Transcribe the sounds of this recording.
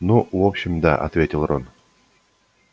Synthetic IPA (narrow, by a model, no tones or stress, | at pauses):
nuvopɕɪmd̪a̰ʔɐ̰t̪vʲetʲɪlˠɾon